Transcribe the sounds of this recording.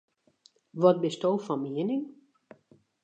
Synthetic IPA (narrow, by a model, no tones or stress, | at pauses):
ʋɔt̚bɪstoːfɔmiənɪŋ